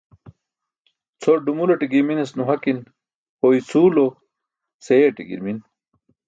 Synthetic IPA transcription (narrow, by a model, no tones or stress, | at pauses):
t͡sʰoɖumuloʈiɡiminesnuɦɐkin | hoit͡sʰuːlo | sejeʈḭɡḭɾmin